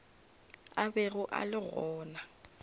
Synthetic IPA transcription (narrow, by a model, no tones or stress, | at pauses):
abeɣʊʔa̰lɪɣɔːna